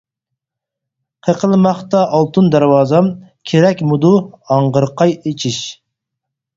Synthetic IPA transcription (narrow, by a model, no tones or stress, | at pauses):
qʰəqʰəlˠmɑχt̪ɑʔɑlˠt̪ʰund̪æɾwɑːzɑmkʲʰeɾɛkʲmud̪uɑɴʁəɾqʰɑjet͡ʃʰiʃ